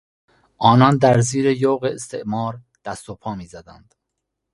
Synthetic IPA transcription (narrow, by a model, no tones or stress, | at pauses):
ʔɒːnɒːnd̪æɾziːɾe̞joːɣeːst̪ʰḛʔmɒːɾ | d̪̥æst̪opʰɒːmiːzæd̪ænd̪̥